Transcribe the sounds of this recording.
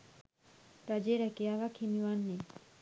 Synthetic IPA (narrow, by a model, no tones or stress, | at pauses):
t̪ad͡ʑeɾɛkealakʰimiwanːe